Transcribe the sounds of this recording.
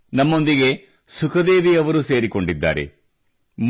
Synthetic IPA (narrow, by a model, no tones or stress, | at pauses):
nɐmːo̞nd̪iɡe̞ | sukʰɐd̪e̞ːʋiɐʋɐɾuse̞ːɾiko̞ɳɖid̪ːa̰ːɾḛ | m